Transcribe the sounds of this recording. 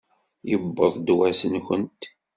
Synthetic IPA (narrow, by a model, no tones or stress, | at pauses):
jəbːəðˤd̪wæsənçənt̪